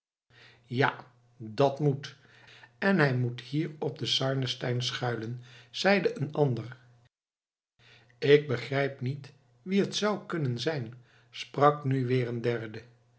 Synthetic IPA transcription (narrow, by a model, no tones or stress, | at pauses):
ja | dɑtmut | ɛnɦɛjmuthiːɹɔb̚dəsɑɹnəstɛjnsχœɥlənz̥ɛjdəʔənɑndəɹ | ɪɡ̚bəχrɛjpnit | ʋiɦətsʌwkɵnənzɛjn | sprɑknyʋɪːrəndɛɹdə